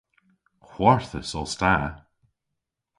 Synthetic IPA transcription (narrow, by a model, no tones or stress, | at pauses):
hw̥aɹθəsɔlˠsta